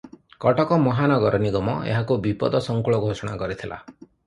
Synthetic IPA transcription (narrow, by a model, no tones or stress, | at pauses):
kɔʈɔkɔmɔɦanɔɡɔɾɔniɡɔmɔḛɦakubipɔ̰d̪ɔsɔŋkuɭɔɡʱosɔɽ̃a̰kɔɾit̪ʰilʔa̰